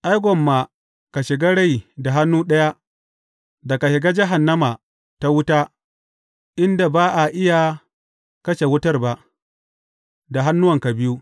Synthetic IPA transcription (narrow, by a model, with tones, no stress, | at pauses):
ʔa˦jɡʷɔ˨mːa˨ | ka˨ʃɪ˨ɡa˦ɽa˦˨jda˨ɦa˦nːuː˦ɗɐ˦ja˦ | da˨ka˨ʃɪ˨ɡaː˦d͡ʒɪ˦ɦa˨nːɐ˦ma˨ | ta˦wʊ˦taː˦ | ʔɪ˦nda˨baː˦ʔa˨ʔɪ˦ja˨ | kɐ˦ʃe˨wʊ˦tɐ˦rba˨ʔ | da˨ɦa˦nːʊ˦wɐ˨ŋka˨bɪ˦ju˦